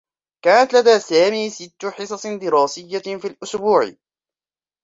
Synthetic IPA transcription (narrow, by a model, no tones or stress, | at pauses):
kaːnat̪lad̪aːsaːmiːsɪt̪ːʊħɨsˤɑsˤd̪ɪɾɑːsɪjːafiːlʔʊsbuːʕɪ̰